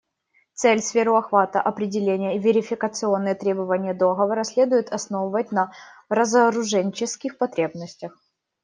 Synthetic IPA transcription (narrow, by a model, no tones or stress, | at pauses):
t̪sɛlʲsfʲeɾʊɐxvat̪əʔɐpɾʲɪdʲɪlʲenʲɪjəivʲɪɾʲɪfʲɪkət̪sɨo̞nːɨjət̪ɾʲe̞bəvənʲɪjəd̪o̞ɣəvəɾəsʲlʲed̪ʊjɪt̪ɐsnovəvət̚ʲnɐrəzəɾʊʐɛnʲt͡ɕɪskʲɪxpɐt̪ɾʲe̞bnəsʲtʲəx